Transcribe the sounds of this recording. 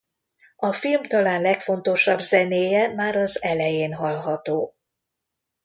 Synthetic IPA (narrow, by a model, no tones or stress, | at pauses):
ɒfilmt̪ɒlaːnlɛkfo̞nt̪o̞ʃɒbzɛneːjɛmaːɾɒzɛlɛjeːnɦɒlɦɒt̪oː